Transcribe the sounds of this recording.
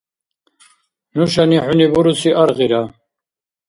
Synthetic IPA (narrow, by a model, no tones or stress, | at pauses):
nuʃaniħunibuɾusiʔaɾʁiɾa